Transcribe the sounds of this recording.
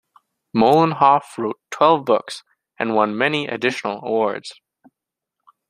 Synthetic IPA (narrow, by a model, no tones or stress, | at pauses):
moʊlˠə̃nɦɑfɹoʊtʰw̥ɛlˠvbʊks | ɨ̃nwʌ̃nmɛniʔɨ̰dɪʃnl̩ˠə̰wɔɹdz̥